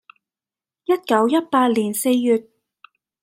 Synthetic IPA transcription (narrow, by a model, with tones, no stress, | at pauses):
jɐ˥t̚kɐ˨˥wjɐ˥t̚paː˧t̚liː˨˩nse˧jːyː˨˧t̚